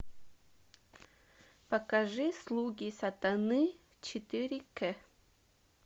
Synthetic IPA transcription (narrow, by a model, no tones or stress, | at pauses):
pɐkɐʐɨslˠuɡʲisɐt̪anɨ | t͡ʃɪt̪ɨɾʲikɛ